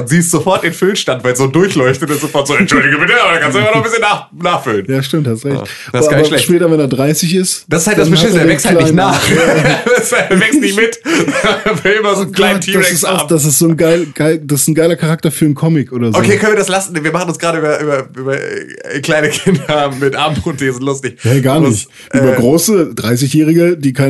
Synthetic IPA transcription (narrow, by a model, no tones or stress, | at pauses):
ziːɪstz̥ofɔɐt̚ɪnfʏlnʃtantv̥aɪlzoːdʊɐçlɔʏçtətɪszofɔɐtz̥oːɛtʃʊldɪɡəmɪt̚diɐaakʰanstuʔaɪfanɔχmbɪsçənaːχ | naːχfʏlənjaːʃtɪmthastuʁɛçt | abɐlɛʃpɛːtɐvɛneːɐdʁaɪsɪçɪstd̥asɪsthaltd̥anb̥əaeːɐvɛksthalaɪnaːχ | ɐvɛkstnɪmɪt | vɪlɪmɐzoːnkl̥aɪntʰiːdasɛɪsaʊmd̥as̬ɪstz̥oːnɡaɪlɡ̥aɪld̥asɪ̥sn̩ɡaɪlɐkʰaʁ̞ak̚tɐfyːɐnkʰɔmɪkʔoːɾɐzokːʰeːkʰœnviɐdaslasn̩viːɐmaχn̩ʊnsɡ̥ʁaːɾəyːbɐʔyːbɐyːbɐɛ̰kl̥aɪnəkʰɪndɐmɪtʔaːmpʊnteːzɪntlʊstɪçhɛːɡaːɐnɪç | ʔyːbɐɡʁoːsəd̥ʁaɪs̬ɪçjɛːʁɪɡədiːkʰaɪ